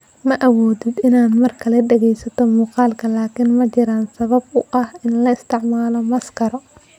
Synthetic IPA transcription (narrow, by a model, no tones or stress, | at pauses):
mɐʔɐwɔːd̪ɪd̪ɪnaːd̪mɐrkʰɐlɛɖɛɣɛjsɐt̪ʰɔmuːqɑːlkʰɐlaːkʰɪnmɐt͡ʃɪɾaːnsɐβɐbʊʔɐhɪnlɐɪst̪ʰɪʕmaːlɔmɐskʰɐɾɔ